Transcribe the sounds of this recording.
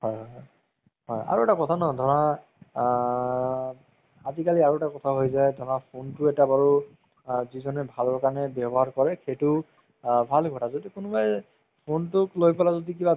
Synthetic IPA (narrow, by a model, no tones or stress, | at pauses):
hɔjɦɔj | ɦɔja̰ɹuɛtakɔtʰanɔdʱɔɹa | azikaliaɹuɛtakɔtʰaɦojzajdʱɔɹapʰontʊɛtabaɹu | zizɔnɛbʱalɔɹkaɹnɛbɔbɔɦaɹkɔɹɛkʰetʊ | bʱalɡʱɔtʰazodikʊnʊbaj | pʰontʊklojpɔlazodik̬iba